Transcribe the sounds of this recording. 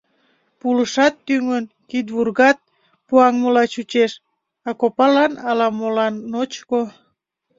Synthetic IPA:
puləʃɑt̪ːyŋən | kid̪βurɣɑt̪̚ | puɑŋmolɑt͡ɕut͡ɕeʃ | ɑkopɑlɑnɑlɑmolɑnːot͡ɕko

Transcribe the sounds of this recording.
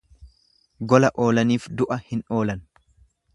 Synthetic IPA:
ɡɔlɐʔo̞ːlɐniːfd̪ʊʔɐhɪno̞ːlɐn

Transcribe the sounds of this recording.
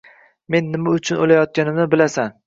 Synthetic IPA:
me̞nːɪmaʊt͡ʃʰʊnʔolajɒt̪̚kʲanɪmnɪbɪlasan

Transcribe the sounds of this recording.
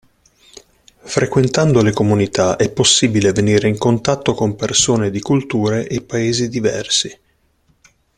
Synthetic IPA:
fɾʔekwent̪and̪olekomunit̪aʔɛpːosːiːbileveniːɾeiŋkont̪at̪ːokompersoːned̪ikult̪uːɾeʔepːaeːzid̪ivɛ̰rsi

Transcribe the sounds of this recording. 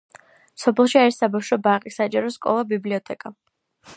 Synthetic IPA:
sɔpʰɛlˠʃiaɾisabawʃɔbaqʼisat͡ʃʼaɾɔskʼɔ̰lˠabibliɔt̪ʰʼɛkʼa

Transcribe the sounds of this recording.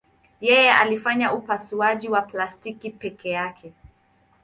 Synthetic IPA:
jɛjɛalifaɲaupasuaʄiwaplastikipɛkɛjakʰɛ

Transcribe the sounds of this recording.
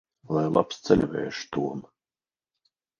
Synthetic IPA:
lˠajlˠa̰pst̪sɛlʲvʲɛ̰ːʃu̥t̪uɔm

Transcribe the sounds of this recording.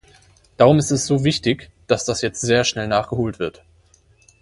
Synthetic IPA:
d̥aːʁʊmɪstɛsz̥oːvɪçtɪçd̥asd̥asjɛt͡stz̥eːɐʃnɛlnaːχɡ̥əɦoːltv̥ɪɐt

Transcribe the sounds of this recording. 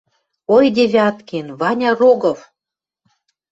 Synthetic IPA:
ojd̪ʲeβʲɑt̪kenvɑnʲɑroɡɤ̆v

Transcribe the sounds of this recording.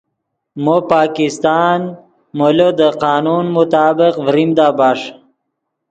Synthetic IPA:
mopɑːkist̪ɑːn | molod̪əqɑːnunmʊt̪aːbɪqvɾimd̪abɑʂ

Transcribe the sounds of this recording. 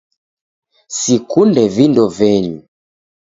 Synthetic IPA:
sikundɛvindɔvɛɲu

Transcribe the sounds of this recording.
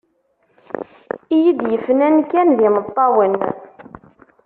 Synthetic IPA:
ijid̪jəfːənænkænðɪmət̪ˤːɑwən

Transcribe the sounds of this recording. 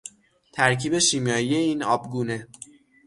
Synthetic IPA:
t̪ʰæɾcʰiːbe̞ʃiːmjɒːjije̞iːnɒːbɡuːne̞

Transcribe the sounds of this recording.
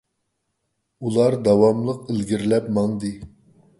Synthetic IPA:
ulˠɑɾd̪ɑwɑmlˠəqəlɡʲiɾlɛpmɑŋd̪ɨ

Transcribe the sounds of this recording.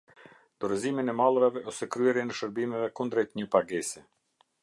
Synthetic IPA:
d̪̥ɔɾəziminɛmalˠɾavɛɔsɛkɾyɛɾjɛnɛʃəɾbimɛvɛkund̪ɾɛt̪əɲəpaɡɛsɛ

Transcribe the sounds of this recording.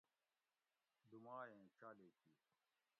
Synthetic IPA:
d̪ʊmaːẽːt͡ʃʰaːleːkiː

